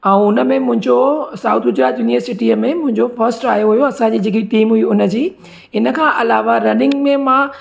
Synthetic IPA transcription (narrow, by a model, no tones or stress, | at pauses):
ɛ̃ːʊnə̆mẽmʊ̃ɦɪ̃ɲd͡ʑosaːut̪ʰɡʊd͡ʑɾaːt̪juːniəɾsɪʈiːəmẽmʊ̃ɦɪ̃ɲd͡ʑofɐɾsʈaːjoɦujoɐsãɲd͡ʑiːd͡ʑɪk̬iʈiːmɦuiʊnə̆d͡ʑiː | ɪnəkʰãːʔɐlaːʋaɾɐnɪ̃ŋɡmẽmã